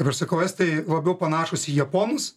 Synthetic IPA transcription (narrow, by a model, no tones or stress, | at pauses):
kɐɪpɐʃsɐkɐʊɛst̪ɐɪlˠɐbʲɛʊpɐnɑːʃʊsʲijɛpoːnʊs